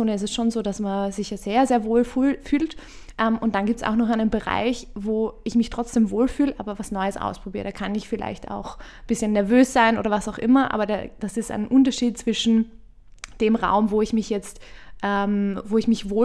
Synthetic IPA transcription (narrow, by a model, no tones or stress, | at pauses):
oːnəɪs̬tɛsʃoːnzoːdasmanzɪçjaz̥eːɐzeːɐvoːlfylfyːlt | ʔɛːmʊntd̥anɡiːp̚tsa̰ʊxnɔχaɪnənbəʁa̰ɪçvoːʔɪçmɪçtʁ̥ɔt͡sd̥eːmvoːlfyːləʔaːbɐvasnɔʏəsʔa̰ʊspʁ̥obiːʁəd̥aːkʰanɪçfɪla̰ɪçta̰ʊx | b̥ɪsçənːɛɐvøːsz̥aɪno̰ːɾɐvasaʊxʔɪmɐʔa̰ːbɐda̰ːd̥asɪstʔa̰ɪnʔʊntɐʃiːt̚t͡sv̥ɪʃn̩ | d̥eːmʁa̰ʊmvoːɪçmɪçjɛt͡stʔɛmvoːɪçmɪçvoː